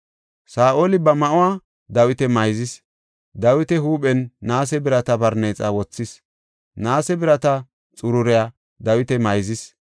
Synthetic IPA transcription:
saːʔoːlɪbɐmɐʔʊwaː | d̪ɐwɪt̪ɛmɐjzɪs | d̪ɐwɪt̪ɛhuːɓɛnːaːsɛbɪɾɐt̪ɐbɐɾneːt͡sʼawɔt͡sːɪs | naːsɛbɪɾɐt̪ɐ | t͡sʼʊɾʊɾɛja | d̪ɐwɪt̪ɛmɐjzɪs

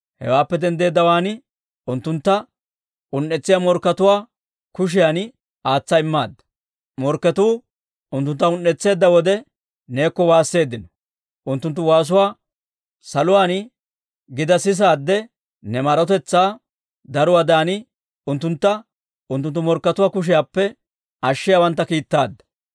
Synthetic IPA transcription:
hɛ̰waːpːɛd̪ɛnd̪e̞ːd̪ːɐwaːnɪ | ʊnt̪ːʊnt̪ːɐ | ʊnːɛt͡sːɪjamɔɾkːɐt̪ʊwaː | kʊʃ̬ɪjaːn | aːt͡sːɐɪmːaːd̪ːɐ̥ | mɔɾkːɛt̪uː | ʊnt̪ːʊnt̪ːɐʊnːɛt͡sːe̞ːd̪ːɐwɔd̪ɛ | ne̞ːkːɔwaːsːe̞ːd̪ːɪnɔ̥ | ʔʊnt̪ːʊnt̪ːʊwaːs̬ʊwaː | sɐlʊwaːn | ɡɪd̪ɐsɪs̬aːd̪ːɛ | nɛmɐɾɔt̪̬ɛt͡sːaː | d̪ɐɾʊwaːd̪aːnɪ | ʊnt̪ːʊnt̪ːɐ | ʊnt̪ːʊnt̪ːʊmɔɾkːɐt̪ʊwaːkʊʃ̬ɪjaːpːɛ | ɐʃːɪjaːwɐnt̪ːɐkiːt̪ːaːd̪ːɐ̥

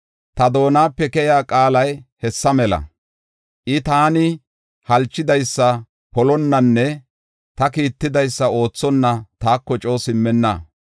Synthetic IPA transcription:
t̪ɐd̪o̞ːnaːpːɛkɛjaːkʼaːlɐjhɛsːɐmɛlɐ̰ | ʔɪt̪aːnɪ | hɐlt͡ʃːɪd̪ɐjsːɐ | pɔlɔnːɐnːɛ | t̪ɐkiːt̪ːɪd̪ɐjsːɐo̞ːt͡sːɔnːɐt̪aːkːɔt͡ʃʼo̞ːsɪmːɛnːɐ̰

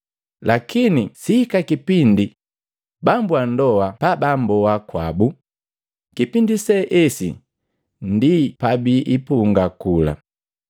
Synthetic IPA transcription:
lakinisikakipindi | bambwandɔwapabambɔwakwabu | kipindisɛʔɛsḭ | ndipabiʔipuŋɡakula̰

